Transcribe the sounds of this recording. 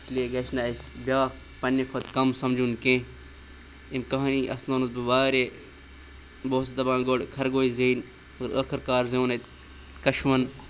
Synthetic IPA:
t͡ʃʰlieɡɐt͡ʃnaesbʲjaːk | pɐnːekʰot̪kɐmsɐmd͡ʒunkẽ | emkɐɦɐniːʔɐ̰snoːnusbɐbaːɾe | boːst̪ɐbãːnɡoːɽkʰɐɾɡoːizeːn | ɾɐkʰɐɾkaːɾzõːnɐt̪ | kɐʃʋɐn

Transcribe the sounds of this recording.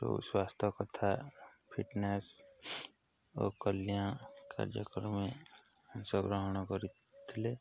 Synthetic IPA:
t̪o̰swaːst̪ʰəkət̪ʰa | pʰiʈnes | ɔ̰ːkəlijãka̰d͡ʒəkəɾmẽ | ənsəbɾəɦñɔkɔɾi | t̪ʰle

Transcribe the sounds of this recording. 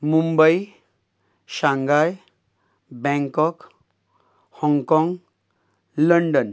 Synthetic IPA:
mumbəj | ɕãŋɡaj | bɛ̃ŋkɔk | hɔ̃ŋɡkɔ̃ŋɡ | ləɳɖən

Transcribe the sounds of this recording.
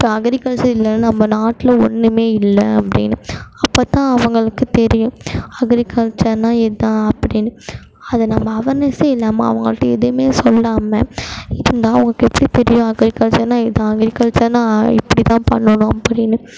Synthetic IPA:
pːɐɐɡɪɾɪkɐlt͡ʃɐɾɪlːɐnːɯnɐmːɐnaːʈːɪlɐɔ̰nːɯmeːɪlːɐɐpːɐɽɪ̰nːɯɐpːoːt̪ãːɐʋɐŋɡɐɭɯkːɯt̪ɛɾɪjʊ̃ɐɡɪɾɪkɐlt͡ʃɐnaːɛðãːɐpːɐɽɪnːɯ | ɐðɐnɐmːɐːʋɐɾnɐseɪlːaːma̰ːɐ̰ʋɐŋɡɐɭɯkːɯɛðɯmeːsɔlːaːmɐ̰ɪðɯnd̪aːɐʋɐŋɡɐkːɛpːɐɽit̪ɛɾɪjʊ̃ɐɡɾɪkːɐlt͡ʃɐnãːɪðãɐɡɾɪkɐlt͡ʃɐnãːɪ̰pːɐɽit̪ãːpɐ̰ɳːɯnʊ̃ɐpːɐɽɪnːɯ

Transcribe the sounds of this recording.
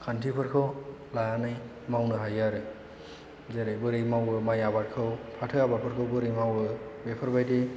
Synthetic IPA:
kʰantʰipʰɯɾkʰɯw | laanaj | mawnɯɦajaɾɯ | zeɾejbɯɾɯjmawɯmajabatkʰɯwpʰatʰɯabaɾ̚pʰɯɾkʰɯwbɯɾɯjmawɯbepʰaɾbajdi

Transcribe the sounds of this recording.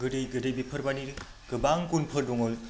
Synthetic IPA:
ɡɯdejɡɯdejbipʰəɾbaniɾɯ | ɡ̥ɯbaŋkunpʰɯdɔŋol

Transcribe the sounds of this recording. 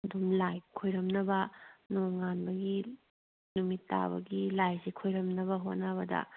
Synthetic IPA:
dumlajkʰojɾɐmnɐbɐnoŋanbɐɡi | numitːa̰bɐ̰ɡilajzikʰojɾɐmnɐβɐɦot̚nɐβɐdɐ̰

